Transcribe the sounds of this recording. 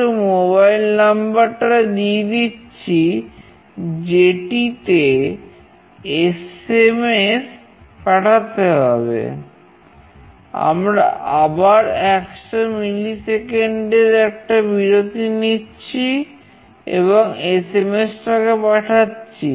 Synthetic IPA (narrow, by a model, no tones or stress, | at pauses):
omoβajlnambaɾʈad̪ied̪itːɕʰi | d͡ʑeʈit̪e | esemes | paʈʰat̪eɦɔbḛ | a̰mɾa̰ʔabaɾɛkʃomilisekeɳɖeɾɛk̚ʈabiɾot̪initːɕʰi | ḛboŋesemesʈakepaʈʰatːɕʰi